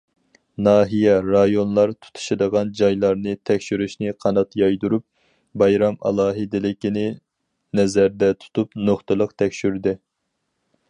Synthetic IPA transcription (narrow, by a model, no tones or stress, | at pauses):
nɑːɦijɛɾɑjonlˠɑɾt̪ʰu̥t̪ʰu̥ʃɨd̪əʁɑnd͡ʒɑjlˠɑɾnɨt̪ʰɛkʲʃyɾyʃnɪqʰɑnɑt̪jɑjd̪uɾup̚ | bɑjɾɑmɑ̰lˠɑːɦɨd̪ɪlɪkʲinɪ | nɛzæɾd̪ɛt̪ʰu̥t̪ʰupnoχt̪ɨlˠəqt̪ʰɛkʲʃyɾd̪ɪ